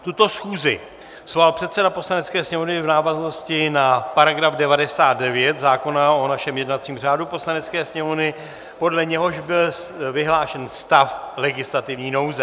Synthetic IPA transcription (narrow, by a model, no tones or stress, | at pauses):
t̪ut̪o̞sxuːzɪ̰ | z̥valpr̝̥ɛt̪sɛdapo̞slanɛt͡skɛːsɲɛmo̞vnɪvnaːvazno̞scɪnapaɾaɡɾavdɛvadɛsaːt̪̚dɛvjɛt̪zaːko̞naonaʃɛmjɛdnat͡siːmr̝aːdupo̞slanɛt͡skɛːsɲɛmovnɪ | po̞dlɛɲɛɦo̞ʃbɪl | vɪɦlaːʃɛnst̪aflɛɡɪslat̪ɪvɲiːno̞wzɛ